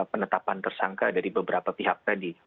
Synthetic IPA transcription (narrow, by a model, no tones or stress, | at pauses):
pənət̪apant̪ərsaŋkadaɾibəbəɾapapiɦak̚t̪adi